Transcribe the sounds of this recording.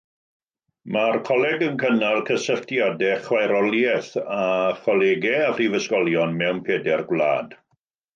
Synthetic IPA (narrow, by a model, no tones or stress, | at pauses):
markʰɔlɛɡənkʰənalˠkʰəsəɬtʰjadɛχwajɾɔlˠjɛθaχɔlˠeɡɛafrivəskɔlˠjɔnmɛwnpʰeːdɛrɡwla̰ːd̥